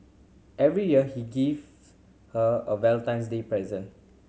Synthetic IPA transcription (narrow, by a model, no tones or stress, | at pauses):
ʔɛvɹijiəhiɡev | həəwɛltãɪ̃ns̬depɹɛzə̃n